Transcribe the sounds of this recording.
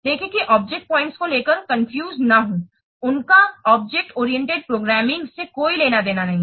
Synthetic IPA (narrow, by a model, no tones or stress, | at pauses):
d̪eːkʰẽkiʔɔːb̚d͡ʒek̚ʈ̚pɔ̃ːɪ̃ɳʈskoleːkəɾkɐ̃nfjuːznaɦũː | ʊnkaɔːb̚d͡ʒɛk̚ʈɔːɾiɛ̃ɳʈeɖ̚pɾoːɡɾɛːmɪ̃ŋɡsekoːileːnad̪eːnanɐɦĩ